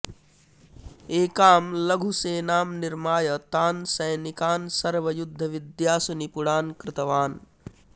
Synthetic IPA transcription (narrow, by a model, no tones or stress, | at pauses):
eːkaːmlɐɡʱuseːnaːmnɪɾmaːjət̪aːnsɐjnikaːnsɐɾʋɐjud̪ʱːɐʋɪd̪jaːsunipuɽaːnkɾɪt̪ɐʋaːn